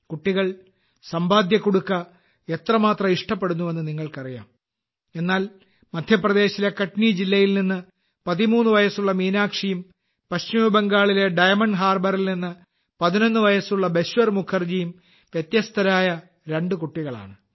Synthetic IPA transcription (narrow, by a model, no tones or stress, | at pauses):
kuʈːiɣɐɭ | sɐmbaːd̪jɐkːoɽukːɐ | e̞t̪rɐmaːt̪rɐiʂʈɐpːe̞ɽunːuʋe̞nːɨniŋːɐɭkɐrija̰ːm | e̞nːaːl | mɐd̪ʱjɐprɐd̪e̞ːɕilekɐʈnid͡ʑilːɐjilninːɨ | pɐðimuːnːɨʋɐjɐsuɭːɐmiːnaːkʂijum | pɐɕt͡ɕimɐbeŋɡaːɭile̞ɖɐjɐmɐɳɖɦaːrbɐrilninːɨ | pɐðino̞nːɨʋɐjɐsuɭːɐbe̞ɕʋɐrmukʰːɐrd͡ʑijum | ʋjet̪jɐst̪ʰɐɾaːjɐ | ɾe̞ɳɖɨkuʈːiɣɐɭa̰ːɳɨ